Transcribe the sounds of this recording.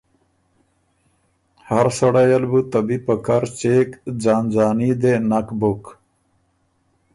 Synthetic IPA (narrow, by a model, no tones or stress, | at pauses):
hɐɾsɐɽajɐlbut̪ɐbipəkaɾt͡ɕeːkd͡ʑaːnd͡ʑaːnid̪enɐkbok